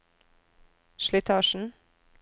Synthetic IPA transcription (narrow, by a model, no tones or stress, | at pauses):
ʃlɪt̪ʰɑːʃn̩